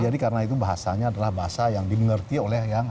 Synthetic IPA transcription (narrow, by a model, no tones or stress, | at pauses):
d͡ʒadikarənait̪ubaɦasaɲaːdalahbaɦasajaŋdiməŋərt̪iolɛhjaŋ